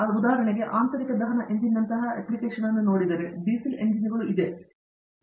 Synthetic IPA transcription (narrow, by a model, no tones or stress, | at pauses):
ɐud̪aːɦɐɾɐɳɐɣeʔaːnt̪ɐɾikʲɐd̪ɐɦɐɳɐʔe̞ɲd͡ʑinːɐnt̪ɐɦɐeplikːeːʂɐnenːɨnoːɽit̪ɐɾɨɖiːsilḛnd͡ʑiniɣɐɭuʔid̪e